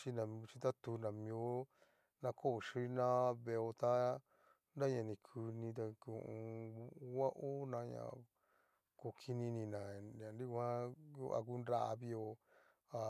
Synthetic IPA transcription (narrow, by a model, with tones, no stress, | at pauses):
t͡ʃi˦nã˨m˧t͡ʃi˧t̪a˦t̪u˧nã˨mĩ˧o˦ | nã˧kʰo˦˨ʃi˦nã˦βe˧o˧t̪a˦ | nda˦ɲã˧˨nĩ˨kʰu˧nĩ˧t̪a˧ku˧˨˧ʔũ˧˦wa˦ʔo˦nã˧ɲã̰˨ | ko˧kʰi˧nĩ˧nĩ˧nã˨ã˨ndi˦kã˦ju˦ʔa̰˧k̬u˦nɾa˧˦ʔa˧βi˧o˧ | a˧